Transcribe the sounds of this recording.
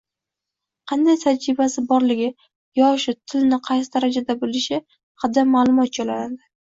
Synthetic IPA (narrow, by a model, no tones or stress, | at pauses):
qʰɑnd̪ajt̪ʰad͡ʒɾɪbasɪbɒɾlɪɡʲɪ | jɒʃɪt̪ʰɪlnɪqʰɑjsɪd̪aɾad͡ʒad̪abolɪʃɪ | χad̪amːaːlˠʊmɒt̪̚d͡ʒɒlanad̪ɪ